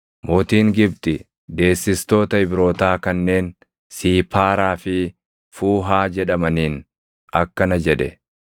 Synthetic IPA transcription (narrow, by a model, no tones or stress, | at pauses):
moːt̪iːŋɡɪb̚t̪ʼɪ | d̪e̞ːsːɪst̪o̞ːt̪ɐɪbɾo̞ːt̪aːkɐnːe̞ːn | siːpʰaːɾaːfɪ | fuːɦaːd͡ʒɛᶑɐmɐniːn | ɐkːɐnɐd͡ʒɛᶑɛ̰